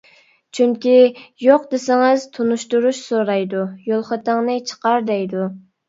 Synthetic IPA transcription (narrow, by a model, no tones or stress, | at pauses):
t͡ʃʰyŋkʲijoqd̪esɪŋɪz̥t̪ʰunuʃt̪uɾuʃsoɾɑjd̪ujolˠχət̪əŋnɨt͡ʃʰə̥qɑɾd̪ɛjd̪u